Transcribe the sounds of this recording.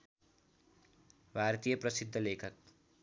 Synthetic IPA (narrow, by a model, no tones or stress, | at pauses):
bʱart̪ijʌprʌsid̪ʱːʌlekʰʌk̚